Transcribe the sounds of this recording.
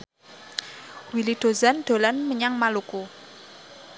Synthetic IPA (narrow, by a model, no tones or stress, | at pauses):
wiliɖ̪̥o̤zanɖ̪̥o̤lanməɲaŋmaluku